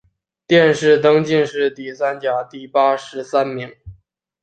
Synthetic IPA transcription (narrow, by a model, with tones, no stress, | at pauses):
t̪jɛ˥˧nʂɻ̩˥˩t̪ɤ˥ŋt͡ɕi˥˧nʂɻ̩˥˧t̪i˥˩sa˥nt͡ɕja˨˩t̪i˥˩pa˥ʂɻ̩˧˥sa˥nmi˧˥ŋ